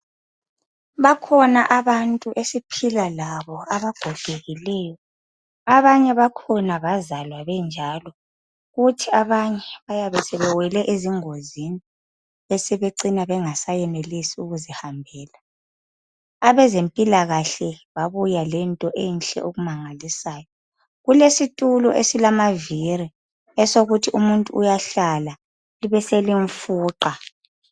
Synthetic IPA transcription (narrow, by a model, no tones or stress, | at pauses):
βakʰɔnaʔaβantʼuʔesipʰilalaβɔaβaɡ̥ʱɔɡ̥ʱeɣilɛːjɔ | aβaɲɛβakʰɔnaβazalwaβɛnd͡ʒʱalɔ | ɣutʰiaβaɲɛβajaβɛsɛβɛwɛlɛʔeziŋozini | esɛβeǀinaβɛŋasajɛnelisiuɣuzihambʱɛːla | aβɛzempʼilaɣaɬɛβaβujalɛntʼɔʔɛnɬʼɛ̰ʔoɣumaŋalisaːjɔ | ɣulesitʼulɔʔesilamaviri | ɛsoɣutʰiʔumuntʼuːjaɬala | liβɛseliɱfuːǃa